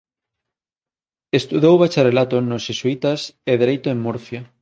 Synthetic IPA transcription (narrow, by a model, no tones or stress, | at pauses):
est̪uðowβat͡ʃarelat̪onoʃʃesuit̪ɐseðeɾejt̪oeŋmuɾθja